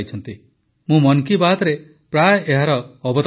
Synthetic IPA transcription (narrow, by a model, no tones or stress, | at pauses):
jt͡ʃʰɔnt̪i | mũmɔnkibat̪ɾe | pɾajeɦaɾɔːbɔt̪